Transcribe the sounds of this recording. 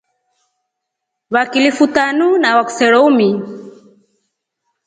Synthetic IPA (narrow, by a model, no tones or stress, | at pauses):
βakilifutanunawaku̥sɛɾɔumi